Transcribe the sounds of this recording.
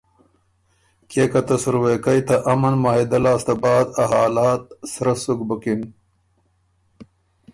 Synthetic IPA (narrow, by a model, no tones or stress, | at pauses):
kekɐt̪ɐsuɾwekɐjt̪ɐʔɐmɐnmaːɦid̪ɐlaːst̪ɐbaːd̪ɐɦaːlaːt̪̚sɾɐsukbɐkin